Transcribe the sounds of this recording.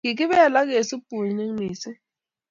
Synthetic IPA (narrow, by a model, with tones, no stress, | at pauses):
kɪ˨k̬ɪ˦βɛ˦˨la˦ke˨sɪ˦pu˨lɲe˦ŋ˦niː˨sɪ˦